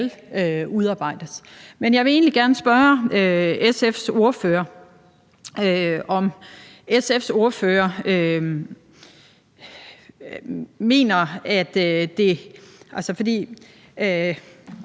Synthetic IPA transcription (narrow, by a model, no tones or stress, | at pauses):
løuðˠɑ̈ːb̥ɑ̈ɪ̰d̥əsmenjɑ̈ɪʋe̝e̝̰ːnliɡ̥æɐnəsb̥ɶɐøesefso̝ɐføːɐ | øɒ̽m | esefso̝ɐføːɐø | me̝̰ːnɐæd̥e̝ʔælsəfɒ̽d̥ḭː